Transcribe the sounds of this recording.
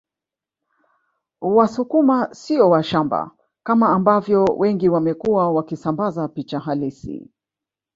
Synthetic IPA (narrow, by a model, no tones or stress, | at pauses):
wasukumasiɔwaʃamba̰ | kamaːmbavjɔwʔɛŋɡiwamɛkuwawakisambazapit͡ʃaɦalisḭ